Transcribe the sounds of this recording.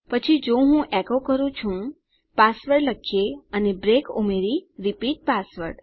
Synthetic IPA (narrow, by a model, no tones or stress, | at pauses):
pət͡ʃʰid͡ʒoɦũʔɛkokəɾũt͡ʃʰũ | pasʋəɾɖləkʰjeənebɾekṵmeɾiɾipiʈ̚pasʋə̰ɾɖ